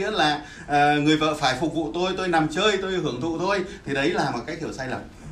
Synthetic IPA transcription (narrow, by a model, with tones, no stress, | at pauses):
ḭ˧˥əlaː˨˩ | ʔəː˨˩ŋɨ˨˩əjvə̰ː˧˨faː˧˩jfʊ˨˩k͡p̚vṵ˧˨t̪o˧jt̪o˧jna˨˩mt͡ɕəː˧jt̪o˧jhɨ˧˩əŋt̪ʰṵ˧˨t̪ʰo˧jt̪ʰi˨˩ɗə˨˦jlaː˨˩m˨˩t̚kaː˨˦jk̚hi˧˩wsaː˧jlə˨˩m